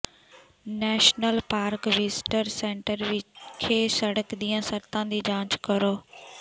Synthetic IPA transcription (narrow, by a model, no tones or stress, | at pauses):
nɛːʃnəlpaːɾkʋɪsʈəɾsẽːɳʈəɾʋɪkʰeːsəɽəkd̪ijãːsəɾt̪ãːd̪iːd͡ʒãːt͡ʃkəɾoː